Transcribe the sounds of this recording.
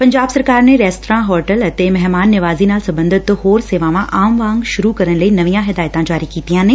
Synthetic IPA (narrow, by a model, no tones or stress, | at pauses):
pɐ̃ɲd͡ʑaːbsɐɾkaːɾnẽɾɛːsʈɾãːɦɔːɾʈəlɐt̪emɛɦmaːnːɪʋaːzinaːlsɐbə̃nd̪ɪt̪hoːɾseːʋãʋãʔaːmʋaːŋɡʃʊɾukɐɾəñlɐinɐʋijãɦɪd̪aːjt̪ãd͡ʑaːɾikiːt̪ijãːnɪ̃